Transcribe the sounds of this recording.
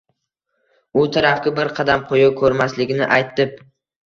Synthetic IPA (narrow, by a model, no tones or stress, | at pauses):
ʊt̪ʰaɾafkʲabɪɾqʰɑd̪amqʰojɪkʰɵɾmaslɪɡʲnɪʔajt̪ʰːɪp̚